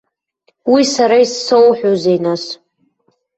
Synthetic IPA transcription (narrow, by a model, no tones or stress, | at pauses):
wisaɾaisːowħʷᶣozejnas